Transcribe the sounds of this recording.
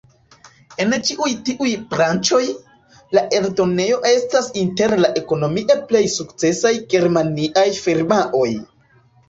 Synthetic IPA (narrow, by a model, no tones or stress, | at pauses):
e̞nt͡ʃiʔujtiʔujbɾant͡ʃo̞j | laʔe̞ɾdone̞jo̞ʔe̞stasinte̞ɾlaʔe̞ko̞no̞miʔe̞ple̞jsukt͡se̞sajɡe̞ɾmaniʔajfiɾmaʔo̞j